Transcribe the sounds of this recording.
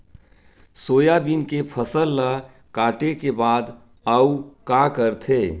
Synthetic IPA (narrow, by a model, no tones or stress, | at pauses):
soːjabiːnkepʰəsəlːa | kaːʈekebaːd̪ | aukakəɾt̪ʰeː